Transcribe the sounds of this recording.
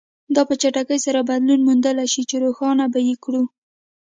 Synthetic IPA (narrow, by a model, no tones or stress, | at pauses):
d̪ɑpət͡ʃaʈakəjsaɾabad̪lunmund̪əlaʃit͡ʃeɾoxɑnabajekɽu